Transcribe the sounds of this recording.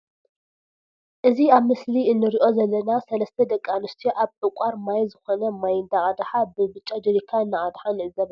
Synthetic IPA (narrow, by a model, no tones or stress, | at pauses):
ʔɨziaβmɨsliɨnːɨɾiʔo̞zɐlːɐnasɐlɐst̪ʰɐd̪ɐkʼːanɨst̪ʰiʔaβħɨkʷʼaɾmajzɨxonɐmajɨnd̪aʔʼad̪ħabɨbɨt͡ʃʼːad͡ʒɨɾikʰːaɨnːaʔad̪ħaniʔɨzɐβ